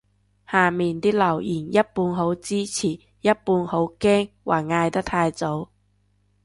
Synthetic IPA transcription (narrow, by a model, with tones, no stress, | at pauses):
haː˨˩miː˨nt̪iː˥lɐ˨˩wjiː˨˩njɐ˥t̚puː˧nɦo˨˥wt͡siː˥t͡sʰiː˨˩ | jɐ˥t̚puː˧nho˨˥wkɛː˥ŋwʔa̰ː˨˩ŋaː˧jt̪ɐ˥k̚t̪ʰaː˧jt͡so˨˥w